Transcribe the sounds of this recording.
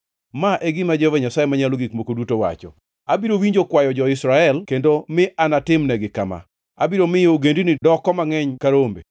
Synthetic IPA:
maʔɛɡɪmad͡ʒɛvɛɲasajemaɲaloɡikmokodutowa̰t͡ʃɔ̰ | abiɾowiɲd͡ʒokwajɔd͡ʒɔɪsɾaɛlkendomɪʔanatɪmnɛɡɪkama̰ | abiɾomɪjoɡendinɪdɔkɔmaŋɛɲkaɾombe

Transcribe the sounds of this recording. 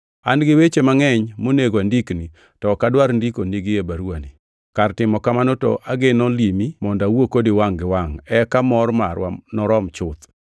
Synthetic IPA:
anɡɪwet͡ʃemaŋɛɲmoneɡoandikni | tɔkadwaɾndikoniɡɪebaɾuani | kartɪmɔkamanotɔ̰ʔaɡɪnɔlimimɔndawokodiwaŋɡɪwaŋɛkamɔɾmaɾwa̰nɔɾɔmt͡ʃʊt̪

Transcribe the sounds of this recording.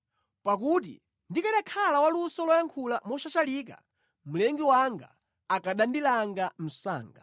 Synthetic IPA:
pak̬ut̬ḭ | ndikaɗakʰalawalusɔlɔjaŋkʰulamɔʃat͡ʃaliːk̬a̰ | m̩lɛŋɡiwaŋɡa̰ | akaɗandilaŋɡam̩sa̰ːŋɡa̰

